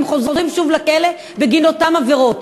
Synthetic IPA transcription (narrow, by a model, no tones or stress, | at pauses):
mχozʁimʃuvlakele | beɡinotamaveʁot